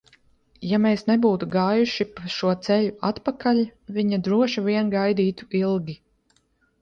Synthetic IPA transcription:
jameːsnebuːt̪uɡaːjuʃipaʃuɔt̪sɛʎʲuat̪pakalʲviɲad̪ɾuɔʃiviɛnɡajd̪iːt̪u̥ilˠɡʲi

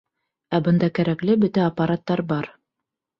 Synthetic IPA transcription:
æbɤ̆nd̪ɑkæɾæklɘbɵ̆t̪æɐpːɑɾat̪ːɑɾbɑɾ

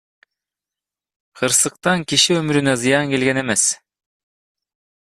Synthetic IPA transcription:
qʰɯɾsɯq̚t̪ɑŋkiʃiømyɾynøzɯjɑŋke̞lɡene̞me̞s

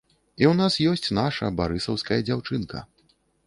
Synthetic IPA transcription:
iwnasjɔsʲt͡sʲnaʂɐ̰baɾɨsɐwskɐjɐd͡zʲawt͡ʂɨnkɐ̰

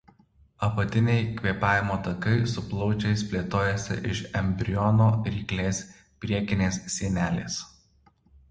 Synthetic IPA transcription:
ɐpɐt̪ʲɪnʲɛɪkʲʋʲiɛpɑːʋʲɪmoːt̪ɐkɐɪsʊplˠɒʊt͡ʃʲɛɪspʲlʲeːt̪oːjɛsʲɪ̰ʔɪʃɛmʲbʲɾʲɪjɔnoːɾʲiːklʲeːsʲ | pʲɾʲiɛkʲɪnʲeːssʲiɛnʲæːlʲḛːs

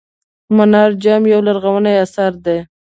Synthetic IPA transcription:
manɑɾd͡ʒamjawlaɾɣawanajasaɾd̪e

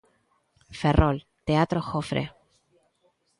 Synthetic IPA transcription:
fe̞rol | t̪eat̪ɾoxofɾʔḛ

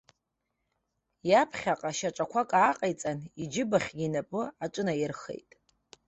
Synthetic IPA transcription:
japʰχʲaqʼaʃaʈ͡ʂʼakʷʰakʼaːqʼajt͡sʼanid͡ʒɪbaχʲɡʲinapʼɨaʈ͡ʂʼɨnajɪrχḛjtʼ

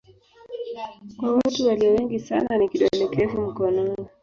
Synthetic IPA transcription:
kwawatuwaliɔwɛŋɡisa̰nanikiɗɔlɛkʰɛfum̩kɔnɔnɔ

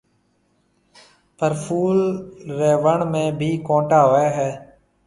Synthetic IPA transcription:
pəɾfʰuːlɾeːʋəɳmẽːbʱiːkõːʈaːɦoːeːɦɛː

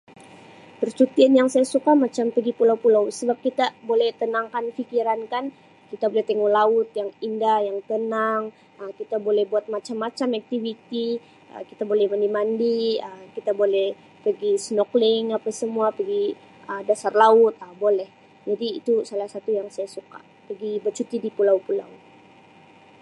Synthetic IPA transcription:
pərt͡ʃut̪ianjaŋsajasukamat͡ʃampəɡipulawpulawsəbap̚kit̪abolɛht̪ənaŋkanfikiɾankan | kit̪abolɛht̪əŋɔhlaʊt̪jaŋindahjaŋt̪ənaŋ | əkit̪abolɛhbuat̪̚mat͡ʃamːat͡ʃamak̚t̪ivit̪i | ə̰kit̪abolɛhmandimandiəkit̪abolɛh | pəɡisnoklɪŋapasəmuapəɡi | ədasarlaʊt̪abolɛh | d͡ʒadiːt̪usalahsat̪ujaŋsajasuka̰ | pəɡibərt͡ʃut̪idipulawpula̰w

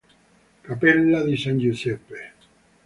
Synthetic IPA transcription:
kapelːaðisanʲd͡ʒusepe

